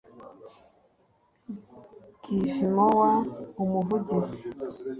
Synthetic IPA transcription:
kifimɔwaumuvuɟisi̥

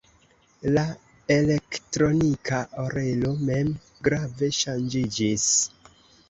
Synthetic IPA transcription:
la | e̞le̞ktɾo̞nikaʔoɾe̞lo̞me̞m | ɡɾave̞ʃand͡ʒid͡ʒis

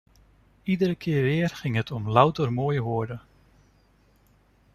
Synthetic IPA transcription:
idəɾəkʰɪːɹʋɪːərχɪŋɦətʰɔmlawtərmoːjɦoəɹdə

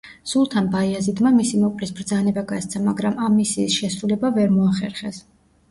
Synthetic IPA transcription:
sulˠt̪ʰanbaiazid̪mamisimɔpʼlisbɾd̪zanɛbaɡast̪sʰamaɡɾamamːisiːsʃɛsɾulɛbavɛɾmɔaχɛɾχɛs

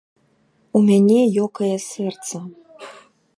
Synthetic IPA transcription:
umʲanʲɛjɔkɐjɐsʲɛrt̪sɐ

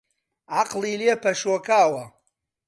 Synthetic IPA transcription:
aqʼliliapʰaʂwakʰʼaːwa

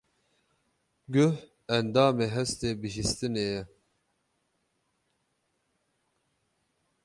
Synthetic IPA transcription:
ɡʊh | ɛnd̪aːmeːɦɛst̪eːbɨʒist̪ɨnejɛ

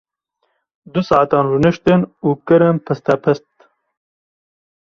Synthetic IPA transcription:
d̪usɑʕat̪ɑːnɾunɨʃt̪ɨnuːkɨɾɨnpʰɨst̪æpʰɨst̪̚

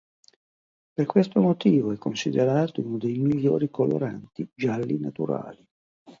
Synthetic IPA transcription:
perkwest̪omot̪iːvoɛkːonsid̪eɾaːt̪ounod̪ejmiʎːo̰ːɾikolo̰ɾa̰nt̪id͡ʒalːinat̪uɾa̰ːli

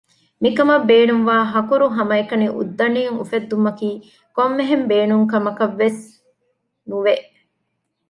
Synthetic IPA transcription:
mikɐmɐbeːnuŋʋaːɦɐkuɾuɦɐmɐekɐniʔṵd̪ːɐniːŋṵfed̪ːumːɐkiː | komːeɦembeːnuŋkɐmɐkɐʋːes | nuʋeʔ

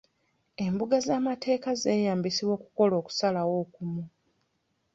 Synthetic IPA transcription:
e̞mbuɡazaːmatʰe̞ːkaze̞ːjaːmbisiβwo̞ːku̥ko̞lo̞ːku̥salawo̞ːkumu

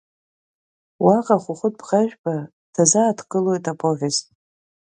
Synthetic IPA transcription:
waqʼaχʷʊχʷʊt̚ʰʼbʁaʒᶣbʰa | tʰazaːtʰɡʼɨlojtʼapʰʼovʲez

